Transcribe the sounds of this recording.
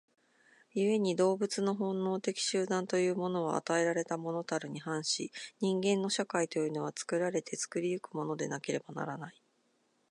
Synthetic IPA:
jɯe̞ɲ̟id̪o̞ːbɯt͡sɨno̞ɦõ̞nːo̞ːt̪e̞kʲi̥ɕɨːd̪ãnt̪o̞jɯ̟ːmo̞no̞a̰a̰t̪ae̞ɾaɾe̞t̪amo̞no̞t̪aɾɯ̟ɲ̟ihãɰ̃ɕiɲ̟ĩŋɡẽ̞nːo̞ɕakait̪o̞jɯ̟noβat͡sɨ̥kɯ̟ɾaɾe̞t̪ʰe̞t͡sɨ̥kɯ̟ɾʲijɯ̟kɯ̟mo̞no̞d̪e̞nake̞ɾe̞bana̰ɾanai

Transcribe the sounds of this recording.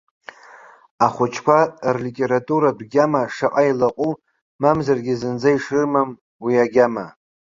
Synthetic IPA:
aχʷʊt͡ʃʰkʷarlitʼeɾatʼuɾadɡʲamaʂaqʼailaqʼu | mamzarɡʲizɨnd͡zaiʂrɨmam | wiaɡʲama

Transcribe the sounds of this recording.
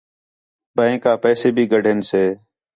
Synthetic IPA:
bə̃ẽːkaːpɛːseːbʱiːɡəɖʱenseː

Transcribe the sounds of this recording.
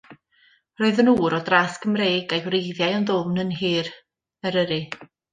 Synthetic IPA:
rɔɨðənuːɾɔdraskəmreːɡajwrejðjajawnðʊmnənɦiːr | əɾəɾɨ

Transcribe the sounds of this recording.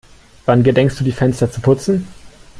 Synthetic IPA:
v̥anɡədɛŋkst̚d̥uːdiːfɛnstɐt͡supʰʊt͡sn̩

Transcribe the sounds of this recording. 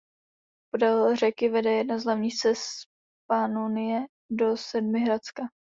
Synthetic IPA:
podalrɛkɪvɛdɛjɛdnazlavɲiːxst͡sɛs | panunɪjɛ | do̞sɛdmɪɦɾat͡ska

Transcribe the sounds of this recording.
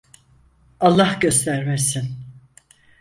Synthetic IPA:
alˠːahɟø̞st̪ʰæɾmɛsin

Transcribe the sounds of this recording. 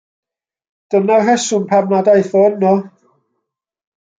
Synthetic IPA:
d̥ənaɦɛsʊnpʰamnadajθɔnːɔ

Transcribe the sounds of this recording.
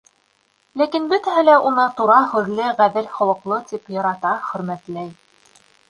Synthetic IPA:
lækinbɵ̆t̪æɦɘlæʔunɤt̪uɾɑhʉ̆ðlɘʁæðɘɾχŏw̪ˠɤ̆qlˠɤt̪ipjɑɾɑt̪ɑχɵ̆ɾmæt̪læj

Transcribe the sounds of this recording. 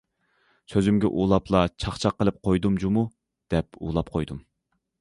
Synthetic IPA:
søzymɡʲɛ̰ʔulˠɑplˠɑt͡ʃʰɑχt͡ʃʰɑqːəlˠɨp̚qʰojd̪umd͡ʒumu | d̪̥ɛpṵːlˠɑp̚qʰojd̪um

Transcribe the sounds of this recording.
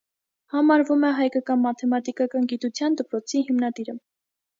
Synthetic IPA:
hɑmɑɾvumɛɦɑjkɑkɑnmɑt̪ʰɛmɑt̪ikɑkɑnɡit̪ut͡sʰjɑnd̪əpɾɔt͡sʰiɦimnɑd̪iɾə

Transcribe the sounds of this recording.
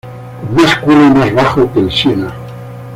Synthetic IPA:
maskulemazβaxokelʃjena

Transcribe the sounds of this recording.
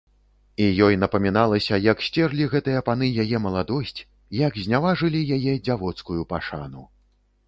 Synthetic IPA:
ijɔjnɐpɐmʲinalˠɐsʲɐjɐksʲt͡sʲɛrlʲiɣɛt̪ɨjɐpan̪ɨjajɛmɐlˠad̪ɔsʲt͡sʲ | jɐɡzʲnʲavaʐɨlʲijajɛd͡zʲavɔt̪skujupaʂa̰nu

